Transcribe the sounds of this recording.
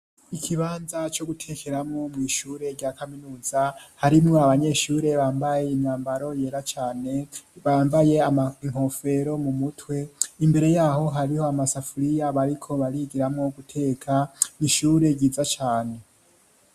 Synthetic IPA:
ikʰiβaːnzat͡ʃo̞ɡutʰe̞kʰe̞ɾamŋo̞mŋiːʃuːɾe̞ɾɟaːkaminuːzahaɾimŋoaβaɲe̞ːʃuːɾe̞βaːmbaje̞imɲaːmbaɾo̞je̞ɾat͡ʃaːne̞βaːmbaje̞amaiŋ̥ho̞fe̞ɾo̞mumutʰwe̞imbe̞ɾe̞jaːɦo̞ɦaɾiho̞amasafuɾijaβaɾikʰo̞βaɾiɡiɾamŋo̞ɡutʰe̞ːkʰaniʃuːɾe̞ɡiːzat͡ʃaːne̞

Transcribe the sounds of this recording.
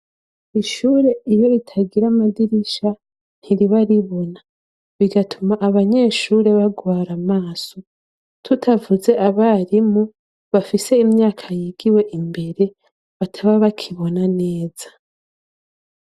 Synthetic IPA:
iʃuːɾe̞ijo̞itʰaɡiɾamadiɾiʃa | n̥hiɾiβaɾiβo̞na | βiɡatʰumaʔaβaɲe̞ːʃuːɾe̞βaɡwaːɾamaːso̞ | tʰutʰavuze̞ʔaβaɾimu | βafise̞imɲaːkʰajiːɡiwe̞ʔimbe̞ɾe̞ | βatʰaβaβakʰiβo̞nane̞ːz̥ḁ

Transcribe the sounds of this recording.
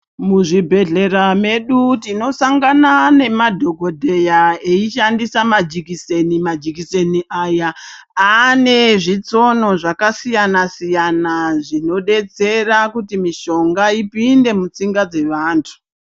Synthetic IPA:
muʐibʱe̞ɮe̞rame̞ɗutino̞saŋɡanane̞madʱo̞ɡʱo̞dʱe̞jaeiʃandisamad͡ʒikisenimad͡ʒikise̞niʔajaː | ne̞ʐit͡so̞no̞ʐakasijanasijanaʐino̞ɗe̞t͡se̞rakutimiʃo̞ŋɡaipinde̞mut͡siŋɡad͡ze̞ʋaːntʰu̥

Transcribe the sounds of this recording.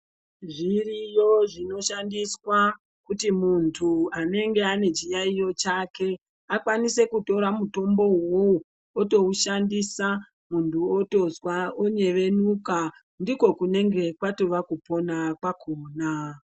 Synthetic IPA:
ʐirijo̞ʐino̞ʃandiswa | kutimuntʰuane̞ŋɡe̞ane̞d͡ʒijaijo̞t͡ʃake̞ | akwanise̞kuto̞ɾamuto̞mbo̞wou | oto̞uʃandisa | muntʰuoto̞zwaoɲe̞ʋe̞nuka | ndiko̞kune̞ŋɡe̞kwato̞ʋakupo̞nakwakʰoːna

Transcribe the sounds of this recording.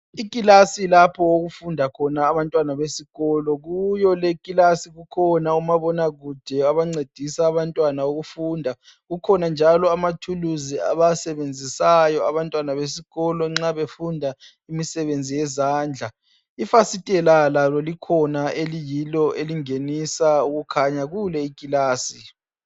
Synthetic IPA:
ikʼilasilapʰɔwoɣufundʱakʰɔnaːβantʼwanaβesiɣɔlɔɣujɔlekʼilasiɣukʰɔnaumaβɔnaɣud̥ʱɛaβaŋ͡ǀed̥ʱisaːβantʼwanaoɣufuːndʱa | ɣukʰɔnand͡ʒʱalɔamatʰuluzia̰βasɛβend͡zʱisajɔaβantʼwanaβesiɣɔlɔŋ͡ǁaβefundʱa | imisɛβend͡zʱijɛzaːnd͡ɮʱa | ifasitʼɛlalalɔlikʰɔnaelijilɔʔeliŋenisauɣukʰaɲaɣulɛikʼilaːsi

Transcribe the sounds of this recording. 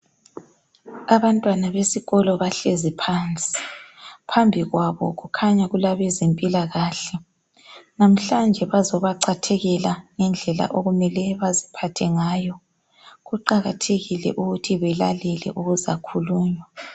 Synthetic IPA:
aβantʼwanaβesiɣɔlɔβaɬezipʰant͡sʼi̥pʰambʱiɣwaβɔ̰ɣukʰaɲaɣulaβɛzempʼilaɣaːɬɛ | nam̩ɬand͡ʒʱɛβazɔβaǀʰatʰɛɣɛlaŋɛnd͡ɮʱɛla̰ʔoɣumɛlɛβazipʰatʰɛŋaːjɔ | ɣuǃaɣatʰeɣilɛ̰ʔuɣutʰiβɛlalɛlɛ̰ʔuɣuza̰kʰuluːɲwa

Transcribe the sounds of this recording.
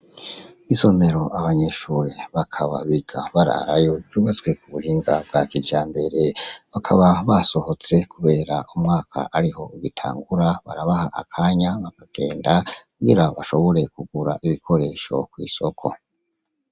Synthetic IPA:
iso̞me̞ɾo̞ʔaβaɲe̞ʃuːɾeβakʰaβa̰βiɡa̰βaɾa̰ɾajo̞juːβazɡwe̞kuβuhiːŋɡab̚ɡakid͡ʒaːmbe̞ɾe̞βakʰaβaβaso̞ho̞t͡se̞kʰuβe̞ːɾaumŋaːkʰa̰ʔaɾiho̞iβitʰa̰ːŋɡuɾaβa̰ɾaβahaʔa̰kʰaɲaβakaɡ̥eːndakuɡiɾaβaʃo̞βo̞ɾe̞kuɡuɾaʔiβikʰo̞ɾe̞ːʃo̞̰kwḭːso̞kʰo̞̰

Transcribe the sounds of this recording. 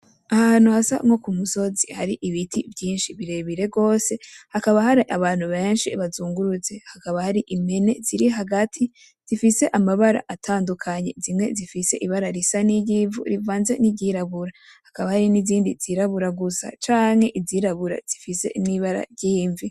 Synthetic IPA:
ahahaːnuhasa̰mŋo̞kumuso̞zihaɾiʔiβitʰivjiːnʃiβiɾe̞βiɾe̞ɡo̞ːse̞hakaβahaɾiʔaβaːn̥huβe̞ːnʃiβazuːŋɡuɾut͡se̞hakaβahaɾiʔime̞ne̞z̥iɾiɦaɡatʰi | z̥ifise̞ʔamaβaɾa̰ʔatʰaːndukʰaɲe̞̰zimŋe̞zifise̞̰ʔiβaɾaɾisaniɟiːɱvṵɾivaːnze̞niɟiɾaβuɾahakaβahaɾiniziːndiziɾaβuɾaɡusa̰t͡ʃaːŋ̥he̞ʔiziɾaβuɾa̰z̥ifise̞̰niβaɾa̰ɟiːɱvi

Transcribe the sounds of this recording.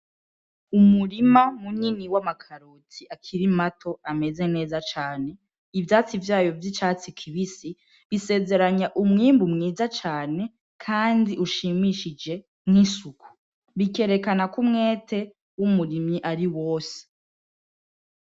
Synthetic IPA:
umuɾimamuɲiniwamakʰaɾotiakʰiɾimatʰo̞ame̞ze̞ne̞ːzat͡ʃaːne̞ | ivjat͡sivjaːjo̞vjit͡ʃaːt͡sikʰiβisi | βise̞ːze̞ɾaɲaʔumŋiːmbumŋiːzat͡ʃaːne̞ | kʰaːndiʔuʃiːmiʃid͡ʒe̞ | mŋisukʰu̥ | βike̞ɾe̞kanakumŋe̞ːtʰe̞ | wumuɾimɲiʔaɾiwo̞ːse̥

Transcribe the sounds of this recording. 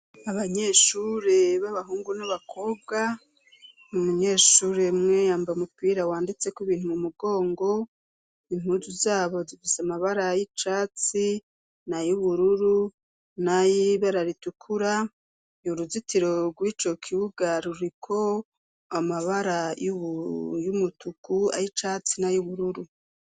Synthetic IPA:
aβaɲe̞ːʃuːɾeβaβaɦuːŋɡunaβakʰo̞b̚ɡa | umuɲe̞ːʃuːɾemŋe̞jaːmbaumupiːɾawaːndit͡se̞kwiβiːn̥humumuɡo̞ːŋɡo̞ | im̥uːzuzaːβo̞zifisamaβaɾajit͡ʃat͡si | najuβuɾuɾu | najiβaɾaɾitukʰuɾa | juɾuzitiɾo̞ɡwiːt͡ʃo̞kʰiβuɡaɾuɾikʰo̞ | amaβaɾaj | jumutukua̰jit͡ʃaːt͡sinajuβuɾuɾu

